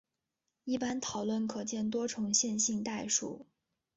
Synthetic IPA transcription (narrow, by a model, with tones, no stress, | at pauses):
i˥˩pa˥nt̪ʰɑ˨˩ʊlwə˥˩nkʰɤ˨˩t͡ɕjɛ˥˩nt̪̬wɔ˥ʈ͡ʂʰʊ˧˥ŋɕjɛ˥˧nɕi˥˧ŋt̪a˥˩ɪʂṵ˥˩